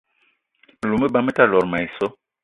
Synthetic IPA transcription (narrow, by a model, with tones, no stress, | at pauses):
lu˨mə˦˨ba˦me˦ta˦˨lɔ˨ɾma˨i˨sɔ˦